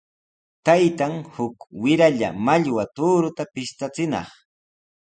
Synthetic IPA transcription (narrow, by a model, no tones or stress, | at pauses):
t̪ajt̪aŋhʊkwɪɾaʎa̰maʎwat̪uɾʊt̪apɪʃt̪at͡sɪnɑ̰χ